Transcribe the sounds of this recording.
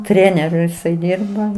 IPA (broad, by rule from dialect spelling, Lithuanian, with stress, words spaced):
ˈtʲrʲæːnʲɛrʲʊ jɪˈsɐɪ ˈdʲɪrbɐ